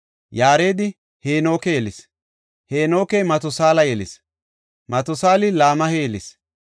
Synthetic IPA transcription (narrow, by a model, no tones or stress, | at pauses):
jaːɾe̞ːd̪ɪ | heːno̞ːkejɛlɪs | heːno̞ːkejmɐt̪ɔsaːlɐjɛlɪ̰s | mɐt̪ɔsaːlɪlaːmɐhejɛlɪs